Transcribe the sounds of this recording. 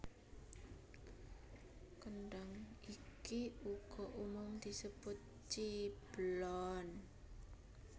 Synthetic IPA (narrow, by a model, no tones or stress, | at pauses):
kənɖaŋikiuɡ̥ɔʔumʊmd̪̥i̤səb̥ʊt̪̚ | t͡ʃib̥əlɔn